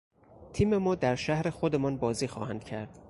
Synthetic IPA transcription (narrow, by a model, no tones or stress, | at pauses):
t̪ʰiːme̞mɒːd̪æɾʃæhɾe̞xod̪emɒːnbɒːziːxɒːhænd̪̥cʰæɾd̪̥